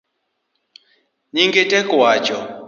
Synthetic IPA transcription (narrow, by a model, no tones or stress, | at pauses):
ɲiŋɡetɛkwat͡ʃɔ